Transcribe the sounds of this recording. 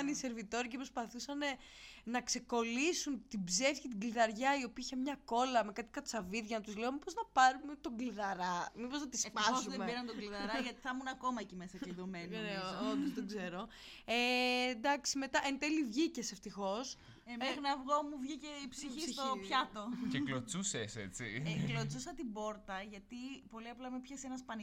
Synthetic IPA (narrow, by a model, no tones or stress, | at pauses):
ɐnise̞ɾvit̪o̞ɾicepɾospɐθusɐne̞ | nɐkse̞ko̞lisunt̪ibze̞fçit̪iɡliðɐɾʝɐio̞piɐiçɐmɲɐko̞lɐme̞kɐt̪i̥kɐt͡sɐviðʝɐnɐt̪uzleomipoznɐpɐɾumet̪o̞ɡliðɐɾɐmipo̞znɐt̪ispɐzuðemebiɾɐnt̪oɡliðɐɾɐʝɐt̪i̥θɐmunɐko̞mɐecimesɐceðomenneod̪ozt̪oɡze̞ɾo̞ | end̪ɐksime̞t̪ɐʔent̪elivʝiceseft̪ixo̞s | emeɣnɐvɣo̞muvʝiceipsiit̪oçɐt̪o̞ceklot͡suseset͡sḭklot͡susɐt̪ibo̞ɾt̪ɐʝɐt̪ipo̞liɐplɐmepçɐsenɐspɐni